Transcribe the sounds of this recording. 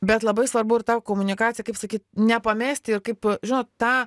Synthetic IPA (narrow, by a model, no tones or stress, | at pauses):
bʲɛt̪lˠɐbɐɪsʋɐrbʊɪrt̪ɑːʋkoːmʊnʲɪkɑːt͡sʲɪjɛkɐɪpsɐkʲiːt̪̚ʲnʲɛpɐmʲeːsʲt̪ʲɪrkɐɪpʒʲɪnoːt̪t̪ɑː